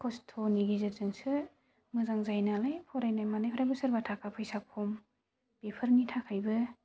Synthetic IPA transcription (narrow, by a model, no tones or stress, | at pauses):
kʰɔstʰoniɡizɯzɯŋsɯ | mɯzaŋzajnalajpʰɔɾajnajmanajpʰaɾajbɯsɯɾbatʰakʰapʰɯjsak̚pʰɔm | b̥epʰɯɾnitʰakʰajbɯ